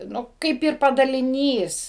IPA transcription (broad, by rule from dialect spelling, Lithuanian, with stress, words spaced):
ˈnʊ ˈkɐɪp ɪr pɐdɐlʲɪˈnʲiːs